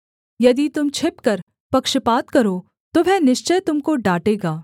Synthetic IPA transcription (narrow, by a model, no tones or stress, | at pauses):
jɐd̪it̪ʊmt͡ʃʰɪpkɐɾ | pɐkʃəpaːt̪kɐɾoː | t̪obʱɛnɪʃt͡ʃəjt̪ʊmkoɖaːʈeːɡaː